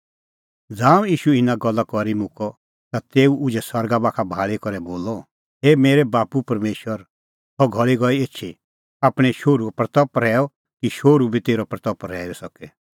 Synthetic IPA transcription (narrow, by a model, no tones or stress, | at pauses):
d͡zãːũjiːʃuɪnaɡɔlːakɔɾimʊ̃kɔ | t̪at̪eːuʔʊd͡ʒɛsɐɾɡabaːkʰabʱaːɭikɔɾɛboːlɔ | eːmeːɾɛbaːpupɐɾmeːʃwəɾ | tɔɡʱɔɭiɡɔieːtːʃʰi | aːpɽ̃ɛʃoːɾupɾɐt̪ɔpːɾɛːɔ | kiʃoːɾubʱit̪eːɾɔpɾɐt̪ɔpːɾɛːɾɛsɔkɛ